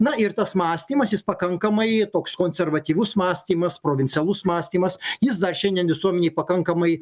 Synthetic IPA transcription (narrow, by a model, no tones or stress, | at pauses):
nɐɪrt̪ɐsmɑːsʲt̪ʲiːmɐsjɪspɐkɐŋkɐmɐɪt̪oːkskoːnʲsʲɛrʋɐt̪ʲiːʋʲʊsmɑːsʲt̪ʲiːmɐspɾoːʋʲɪnʲsʲɛlˠʊsmɑːsʲt̪ʲiːmɐsjɪs̬d̪ɐrʃʲɛnʲd̪ʲiɛnʋʲɪsuɔmʲɛnʲeɪpɐkɐŋkɐmɐɪ